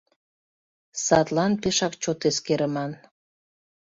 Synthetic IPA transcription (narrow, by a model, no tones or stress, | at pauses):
sɑt̪lɑnpeʃɑkt͡ɕot̪eskeɾəmɑn